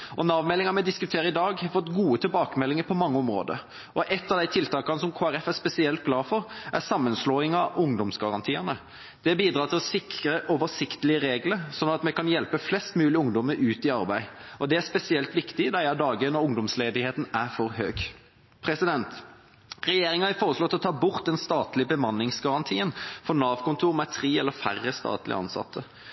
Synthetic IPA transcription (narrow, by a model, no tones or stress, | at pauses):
ʔɔnɑʋmɛlːɪŋɑmɛd̪ɪskʉt̪ʰeːɾəɪd̪ɑːɡhɑfɔt̪ɡuːət̪ʰɪlbɑːkəmɛlːɪŋəɾpʰɔmɑŋːəɔmɾo̰ːd̪ə̰ | ʔɔʔɛt̪ːɑʋd̪æɪt̪ʰɪlt̪ʰɑːkɑnəsɔmkʰoːæɾɛfæspɛsɪɛlt̪̚ɡlɑːɾfɔɾʔæsɑmːənsloːɪŋɑʊŋd̪ɔmsɡɑɾɑnt̪ʰiːənə | d̪̥ɛbiːd̪ɾɑːɾt̪ʰɪlɔsɪkʰɾəʔɔʋəsɪkt̪əlɪəɾeːɡləɾsɔnːɑt̪mɛkɑnjɛlpəflɛst̪mʉːlɪʊŋd̪ɔməɾʉːt̪ɪɑɾbæɪɔd̪ɛæspɛsɪɛlt̪ʋɪkt̪ɪd̪ɑɑd̪ɑːɡənɔʊŋd̪ɔmsleːd̪ɪheːt̪n̩æɾfɔɾhøːɡ | pʰɾɛsɪd̪ɛnt̪ | ɾɛjeːɾɪŋɑæfoːʁəslɔt̪ɪlɔt̪ʰɑːbʊʁt̪̚d̪ɛnst̪ɑːt̪lɪəbəmɑnːɪŋsɡɑʁɑnt̪ʰiːənfɔnɑːʋkʊnt̪ʰuːɾmɛt̪ʰʁiːɛlːəfærːəst̪ɑ̰ːt̪lɪ̰ʔɑ̰nsɑ̰t̪ʰːə